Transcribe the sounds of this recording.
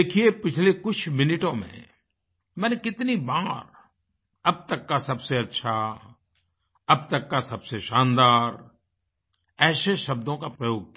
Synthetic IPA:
eːkʰiepɪt͡ʃʰlekʊt͡ʃʰmɪnɪʈõmḛ̃ | mɛ̃ːnekɪt̪nibaːɾ | ɐb̚t̪ɐkːasɐbseɐtːʃʰa | ɐbt̪ɐkːasɐbseʃãːnd̪aːɾ | ɛːseʃɐb̚d̪õkapɾɐjoːɡ̚k

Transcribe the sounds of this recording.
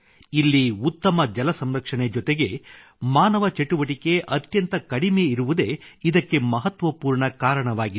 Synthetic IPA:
ilːiut̪ːɐmɐd͡ʒɐlɐsɐmɾɐkʂɐɳed͡ʒɔt̪eɡe̞ | maːnɐʋɐt͡ʃe̞ʈuʋɐʈike̞ʔɐt̪jɐnt̪ɐkɐɽimeiɾuʋud̪e̞id̪ɐkːe̞mɐɦɐt̪ʋɐpuːɾɳɐkaːɾɐɳɐʋaːɡi

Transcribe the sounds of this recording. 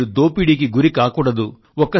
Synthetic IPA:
ud̪oːpiɽik̬iɡuɾikaːkuːɽɐd̪u | ɔkːɐ

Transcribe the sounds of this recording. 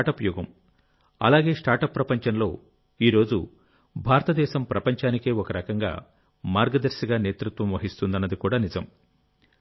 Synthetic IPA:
ʈɐpjuːɡɐm | ɐ̰laːɡe̞ːʂʈaːɾʈɐpːɾɐpɐɲt͡ʃɐnlo̞ː | iːɾo̞ːd͡ʒṵ | bʱaːɾɐt̪ɐd̪ɛːʃɐmpɾɐpɐɲt͡ʃaːnike̞ːɔkɐɾɐkɐŋɡa̰ː | maːɾɡɐd̪ɐɾʃiɡaːne̞ːt̪ɾut̪ʋɐmʋɐɦist̪und̪ɐnːɐd̪ikuːɽaːnizɐm

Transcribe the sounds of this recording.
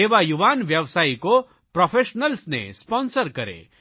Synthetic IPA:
eʋajuʋaːnʋjɐʋsaːiko | pɾɔpʰeʃnəlsnḛspɔnsəɾkɐɾḛ

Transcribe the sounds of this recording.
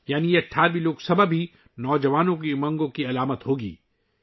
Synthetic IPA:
jaːnijeɐʈʰːaːɾʋiloːɡsɐbəbʱɦi | nɔːd͡ʒɐʋaːnõkimɐ̃ŋɡõkiɐlaːmət̪ɦoːɡḭː

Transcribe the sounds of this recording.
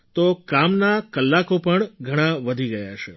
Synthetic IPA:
t̪okamnakəlːakopəɳɡʱəɽ̃aʋəd̪ʱiɡəja̰t͡ʃʰe

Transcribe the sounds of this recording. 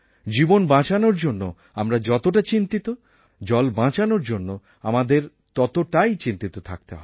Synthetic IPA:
d͡ʑibonbãt͡ɕanoɾd͡ʑonːo̰ | amɾad͡ʑɔt̪oʈat͡ɕint̪it̪o | d͡ʑɔlbãt͡ɕanoɾd͡ʑonːo | a̰mad̪eɾ | t̪ɔt̪oʈajt͡ɕint̪it̪ot̪ʰa̰k̚t̪eɦɔ̰

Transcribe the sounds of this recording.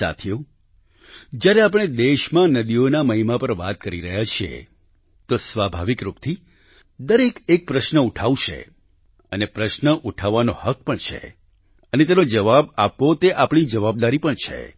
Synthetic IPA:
sa̰t̪ʰijo | d͡ʒjaɾeap̬əɽ̃ed̪eʃmãnəd̪ionaməɦimapəɾʋat̪̚kəɾiɾəɦjat͡ʃʰiḛ | t̪osʋabʱaʋikɾupt̪ʰi | d̪əɾekek̚pɾəʃnəuʈʰaʋuʃʰḛ | ənepɾəʃnəʔuʈʰaʋːanohəkpəɳt͡ʃʰḛ | ənet̪enod͡ʒəʋabapːot̪eʔapɳ̃id͡ʒəʋab̚d̪aɾipəɳt͡ʃʰḛ

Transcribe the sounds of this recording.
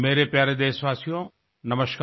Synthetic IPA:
meːɾepjaːɾed̪eːsʋaːsijõ | nɐməʃka

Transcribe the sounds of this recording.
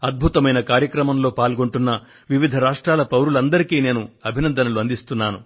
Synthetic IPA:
ɐd̪̚bʱut̪ɐmɐjnɐkaːɾjɐkɾɐmɐmlo̞ːpaːlɡoɳʈunːɐ | ʋiʋid̪ʱɐɾaːʂʈɾaːlɐpɐwɾulɐnd̪ɐɾikiːne̞ːnuɐbʱinɐnd̪ɐnɐluɐnd̪ist̪unːaːnṵ

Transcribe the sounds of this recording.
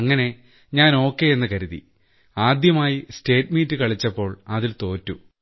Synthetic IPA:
ɐŋːɐne̞ | ɲaːno̞ːkːe̞enːɨkɐɾuði | aːd̪jɐmaːjiste̞ːtmiːtːɨkɐɭit͡ɕːɐpːo̞ːɭɐðilt̪o̞ːtːu

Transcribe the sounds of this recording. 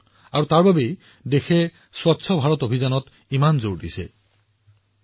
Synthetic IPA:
aɹutaɹbabej | dexɛ | swɔtːsʰɔbʱaɹɔtobʱizanɔt | imanzoɹdisɛ̰

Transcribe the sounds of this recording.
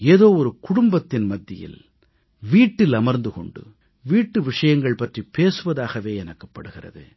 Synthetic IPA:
eːðoːɔɾɯkʊɽʊmbɐt̪ːɪnmɐd̪ːɪjɪ̰l | ʋiːʈːɪlɐmɐɾnd̪ɯkɔ̰ɳɖɯ̰ | ʋiːʈːɯʋɪʂɐjɐŋɡɐɭpɐʈripeːsɯʋɐðaːɣɐʋeːɛnɐkːɐ̥pːɐɽɯɣɪrɐ̰ðɯ̰

